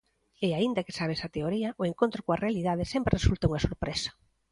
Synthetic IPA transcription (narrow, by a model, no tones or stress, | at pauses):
ɪaind̪ɐkɪsaβ̞esɐt̪eoɾiɐʔoeŋkont̪ɾʊkoɐrealiðaðɪsɛmpɾresult̪ɐuŋɐsoɾpɾesɐ̥